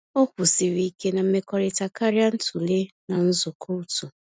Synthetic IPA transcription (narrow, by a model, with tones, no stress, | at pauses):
o˦kʷu˨si˨ɾi˦i˦ke˦na˨m̩˦me˦kɔ˦ɾɪ˨ta˨ka˦ɾja˦n̩˦tu˨le˦na˨n̩˦zʊ˨kʰo˦u˦tu˨